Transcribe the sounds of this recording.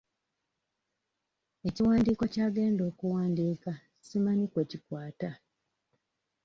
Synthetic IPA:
e̞ciwaːndiːko̞caːɡe̞ːndo̞ːkuwaːndiːka | simanikwe̞ːcikwaːta

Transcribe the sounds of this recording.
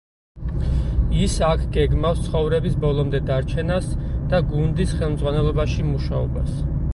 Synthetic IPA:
isakʰɡɛɡmafst̪sʰχɔvɾɛbisbɔlˠɔmd̪ɛd̪aɾt͡ʃʰɛnasd̪̥aɡund̪isχɛlˠmd̪zʁwanɛlˠɔbaʃimuʃaɔ̰bas

